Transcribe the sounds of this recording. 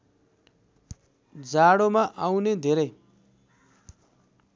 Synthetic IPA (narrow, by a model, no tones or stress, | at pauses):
d͡zaɽomaʔawned̪ʱeɾʌj